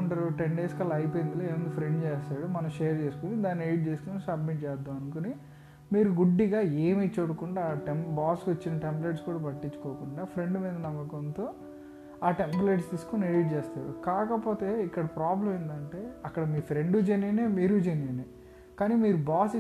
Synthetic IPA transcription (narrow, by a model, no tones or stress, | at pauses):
ɳʈɐɾuʈeɳɖeːskɐlːɐɐjpoːjind̪iloeːʋɐnd̪ipʰɾe̞ɳɖt͡ʃeːst̪aːɽumɐnɐ̃mʃeːɐɾt͡ʃe̞ːsu̥kunid̪aːnːieɽiʈ̚t͡ʃe̞ːsu̥kunisɐbmiʈ̚t͡ʃɛːd̪ːaːmɐnukuni | miːɾuɡuɖːiɡaːeːmiːt͡ʃoːɽukuɳɖaːʈembaːskot͡ʃːinɐʈempleʈskuːɽaːpɐʈːiɲt͡ʃːu̥koːkuɳɖaːpʰɾe̞ɳɖumiːd̪ɐnɐmɡɐkɐnt̪oː | aːʈempleʈst̪iːsu̥konieɽiʈ̚t͡ʃeːst̪aːɽukaːkɐpo̞ːt̪e̞ːikːɐɽɐpɾaːblɐmind̪ɐɳʈe̞ːɐkːɐɽɐmiːpʰɾe̞ɳɖud͡ʒenineːmiːɾud͡ʒenineː | kaːniːmiːɾubaːsi